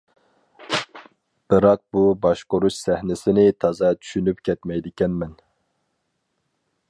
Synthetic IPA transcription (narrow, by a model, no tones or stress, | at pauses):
b̥ɨɾɑq̚bubɑʃqoɾuʃsæhnɪsɪnɪt̪ʰɑzɑt͡ʃʰy̥ʃynypkʲʰɛt̪mɛjd̪ɪkʲɛnmɛn